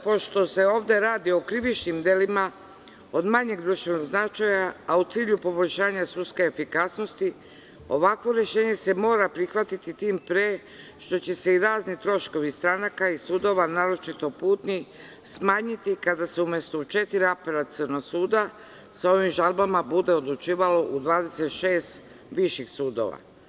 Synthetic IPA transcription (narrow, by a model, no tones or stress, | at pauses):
po̞ʃt̪o̞se̞o̞ːʋd̪e̞ɾaːd̪io̞kɾiʋit͡ʃnimd̪elima | o̞d̪maɲe̞ɡd̪ɾuʃt̪ʋe̞no̞ɡznat͡ʃajaːut̪siːʎupo̞bo̞ʎʲʃaːɲasudt̪skeːfikasno̞st̪i | o̞ʋakʋo̞ɾje̞ʃe̞ːɲe̞se̞mo̞ːɾapɾixʋat̪it̪it̪iːmpɾe̞ | ʃt̪o̞t͡ɕe̞se̞iɾaːznit̪ɾo̞ʃko̞ʋist̪ɾanakaisuːd̪o̞ʋanaːɾo̞t͡ʃit̪o̞puːt̪ni | smaːɲit̪ikad̪aseumjest̪ot͡ʃe̞t̪iɾiapaɾat̪sɨɾnosuːd̪a | sao̞ʋimʒalˠbamabud̪e̞o̞d̪lut͡ʃiːʋalo̞ʔud̪ʋaːd̪e̞se̞t̪ʃe̞ːst̪ | ʋiʃixsuːd̪o̞̰ʋa̰